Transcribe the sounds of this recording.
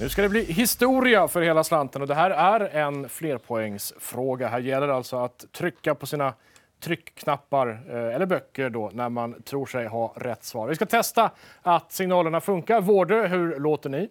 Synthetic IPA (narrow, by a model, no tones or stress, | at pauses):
nʉ̟ːskad̪ɛbliːɦɪst̪uːɾɪafœɾheːlaslant̪ənɔd̪ɛɦæːɾæɾɛnfleːɾpʰɔɛŋːsfɾoːɡaɦæːɾjɛlːəɾalt̪sɔat̪ʰːɾʏkːapʰɔsiːna | t̪ʰɾʏkʰːnapːaɾɛlːəɾbœkːəɾɖɔnæɾmant̪ʰɾuːʂɛjɦaɾɛt̪ːsvɑ̰ːɾvɪskat̪ʰɛst̪a | at̪sɪŋnɑːləɳafɵŋkaɾvoːɖøɦɵɾloːt̪əɳɪ